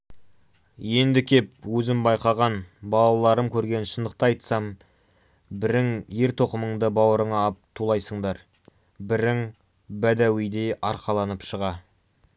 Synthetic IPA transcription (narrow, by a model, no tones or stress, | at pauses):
je̞nd̪ɪkʲʰe̞p̚wɵzɪmbɑjqɑʁɑnbɑlˠɑlˠɑɾəmkʲʰɵɾɡʲe̞nʃənd̪əq̚t̪əɑjt̪sɑm | bɪɾɪŋje̞ɾt̪ʰo̞qəməɴd̪əbɑwəɾəɴɑːp̚t̪ʰulˠɑjsəɴd̪ɑɾ | bɪɾɪŋ | bæd̪æwijd̪e̞jɑɾqɑlˠɑnəpʃəʁɑ